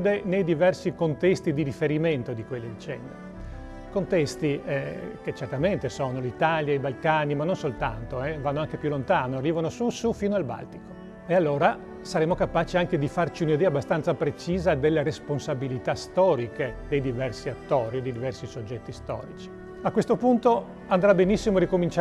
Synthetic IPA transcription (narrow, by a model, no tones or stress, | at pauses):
d̪enejd̪ivɛrsikont̪ɛst̪id̪iɾifeɾiment̪od̪ikwelːid̪t͡ʃɛ̰nd̪ | kont̪ɛst̪iket͡ʃːert̪ament̪esoːnolit̪aljaibalkaːnimanːonsolt̪ant̪oɛvanːoaŋkepjulːont̪aːnoarːiːvanosusufiːnoalba̰lt̪iko̥ | ealːoːɾa | saɾeːmokapaːt͡ʃiaŋked̪ifart͡ʃiunid̪ɛːabːast̪ant̪sapɾet͡ʃiːzad̪elːeɾesponsabilit̪ast̪ɔːɾiked̪ejd̪ivɛrsiat̪ːoːɾid̪ejd̪ivɛrsisod͡ʒːɛt̪ːist̪ɔ̰ːɾit͡ʃi̥ | akwest̪opunt̪o | and̪ɾabenisːimoɾikomint͡ʃ